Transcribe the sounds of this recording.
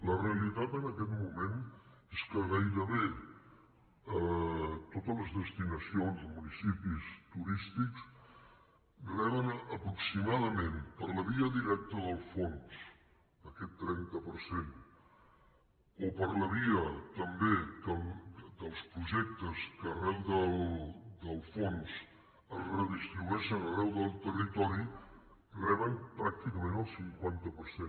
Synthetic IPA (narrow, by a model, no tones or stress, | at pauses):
ləreəlit̪at̪ənəkɛt̪mumeneskəɣajɾəβe | ət̪ot̪ələzðəst̪inəsionzəmunisipist̪uɾist̪iks | ɡɾɛβənəpɾuksimaðəmenpəɾləβiəðiɾɛk̚t̪əðəlˠfons | əkɛt̪ːɾɛnt̪əpəɾsen | opəɾləβiət̪əmbekəld̪əlˠspɾuʒɛk̚t̪əskərɛlˠd̪əld̪əlˠfons | əzrəðist̪ɾiβuɛʃənərɛwðəlˠt̪ərit̪ɔɾi | rɛβəmpɾak̚t̪ikəmẽnəlˠsiŋkwant̪əpəɾse